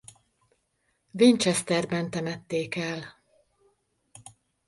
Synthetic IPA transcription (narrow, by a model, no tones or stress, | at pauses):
vint͡ʃɛst̪ɛrbɛnt̪ɛmɛt̪ːeːkɛl